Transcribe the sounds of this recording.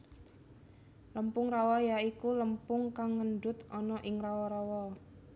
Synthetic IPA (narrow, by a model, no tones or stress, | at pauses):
ləmpʊŋrawɔjaikuləmpʊŋkaŋːənɖʊt̪ɔnɔʔɪŋrawɔɾawɔ